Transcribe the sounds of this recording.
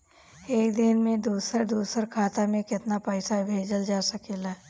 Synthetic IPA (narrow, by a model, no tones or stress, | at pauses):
eːkd̪ɪnmẽd̪uːsəɾd̪uːsəɾkʰaːt̪amẽkɪt̪napəɪsabʱeːd͡ʒəld͡ʒaːsɐkeːlaː